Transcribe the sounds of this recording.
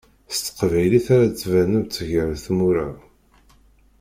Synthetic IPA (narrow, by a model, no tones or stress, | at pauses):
st̪ːə̥qvæjliθaɾat͡sːvænəvt͡sːəʝəɾθmuɾa